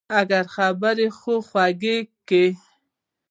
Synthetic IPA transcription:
aɡaɾxabəɾexoxwaɡekːe

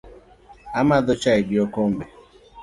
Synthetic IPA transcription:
amaðot͡ʃaidiɔkombɛ

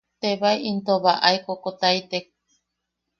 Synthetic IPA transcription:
t̪eβaiʔint̪oβaʔaikokot̪ait̪ek̚

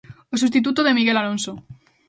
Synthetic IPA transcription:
os̬ust̪it̪̬ut̪oð̞e̞miɣelalõnso

